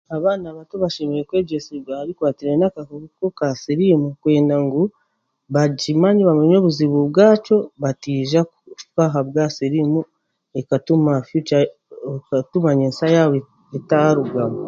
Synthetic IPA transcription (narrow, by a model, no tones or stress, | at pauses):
aβaːnaβatoβaʃemeɾekweːɟosiɡahaɾikwaːtiɾenakakoβukokasiɾimukwe̞ːndaŋɡu | βaɟimaːɲiβameɲo̞ːβuziβuβɡaːt͡ʃo̞βatiːʒakukaɦaβɡasiɾimu | ekatumafju | katumaɲensajaw | etaaɾuɡaβo